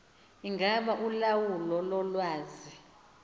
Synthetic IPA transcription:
iŋɡʱaɓaʔulawulɔlɔlwaːzi

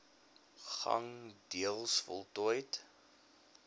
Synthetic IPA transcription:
χɐ̰ŋdiəlˠsfɔlˠtuəjt

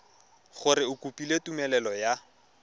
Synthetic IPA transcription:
χʊɾɪʊkupʼiletumɛlɛlɔja

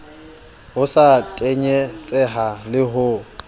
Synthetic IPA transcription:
ɦʊsatʼeɲɛt͡sʼɛɦalɪɦʊ

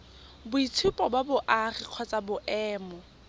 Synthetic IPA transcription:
bʊit͡sʰʊpʼɔbabʊʔarɪq͡χʰwɔt͡sʼabʊʔɛːmɔ

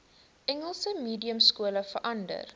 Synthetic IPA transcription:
ʔɛŋəlˠsəmiːdiəmskuələfərʔɐndə̰r

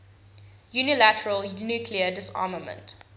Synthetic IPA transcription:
junilætəɹəlnuːkʰliədɪsɑ̰ːməmə̰̃nt

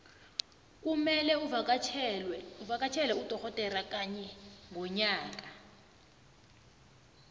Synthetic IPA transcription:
k̬ʼumɛlɛ | uvak̬ʼat͡ʃʰɛlɛud̥ʱɔkɔtʼɛrak̬ʼaɲɛŋʱɔɲaːk̬ʼa

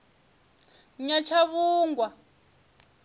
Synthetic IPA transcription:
ɲat͡ʃʰaβuːŋɡwa

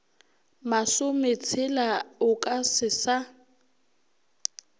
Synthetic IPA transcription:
masʊmet͡sʰɪlaʊkʼasɪsa

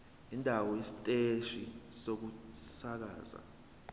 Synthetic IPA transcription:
indʱawɔisitʼeʃisok̬usak̬a̰ːza̰

